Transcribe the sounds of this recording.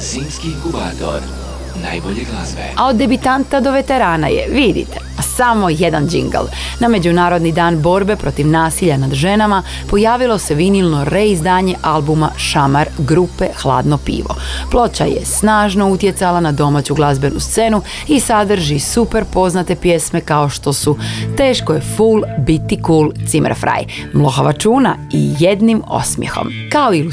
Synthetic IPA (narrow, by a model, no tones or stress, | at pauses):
zimskikubad̪o̰ɾ | najboʎeɡlazʋḛao̞d̪ːebit̪ant̪ad̪o̞ʋe̞t̪e̞ɾaːna̰jḛʋid̪ḭt̪easamo̞jed̪and͡ʒḭŋɡə̰lˠ | name̞d͡ʑunaːɾo̞d̪nid̪aːnbo̞ɾbe̞pɾo̞t̪iʋnaːsiʎanad̪ʒe̞nama | po̞jaːʋilˠo̞se̞ʋinilˠno̞ɾeizd̪aːɲe̞ʔalˠbumaʃamaɾɡɾupe̞xlˠa̰ːd̪nopḭːʋo̞̰plˠo̞t͡ɕa̰jḛsnaːʒno̞ut̪je̞t̪salanad̪o̞maːt͡ɕuɡlˠazbe̞nust̪se̞nu | isad̪r̩ʒisupe̞ɾpo̞znat̪e̞pje̞sme̞kao̞ʃt̪o̞sut̪e̞ːʃkojefuːlˠbit̪ikuːlˠt̪simə̰ɾfɾa̰j | mlˠo̞xaʋat͡ʃuːnaḭjed̪nimo̞̰smjḛxo̞̰m | kaoilu